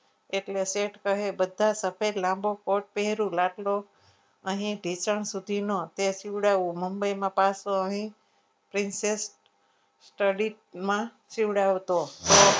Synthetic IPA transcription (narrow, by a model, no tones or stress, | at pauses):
eʈleseʈkəɦebəd̪ʱasəpʰeɾlãmbʱokoʈ̚peɦɾũlaʈlo | əɦĩɖʱit͡ʃəɳsud̪ʱinot̪et͡ʃiʋɽaʋũməmbəjmãpasoəɦĩ | pɾinsesʈ | sʈəɽi | mã | t͡ʃiʋɽaʋt̪o